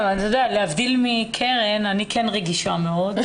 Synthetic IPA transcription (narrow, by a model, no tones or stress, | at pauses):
vant̪od̪ealeavd̪ilmikʰeʁenanikʰenʁeɡiʃameo̞d̪